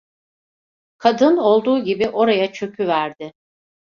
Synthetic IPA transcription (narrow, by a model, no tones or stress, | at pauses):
kʰad̪ɯno̞lˠd̪uːɟibiʔo̞ɾajat͡ʃʰø̞kʰyvæɾd̪ɪ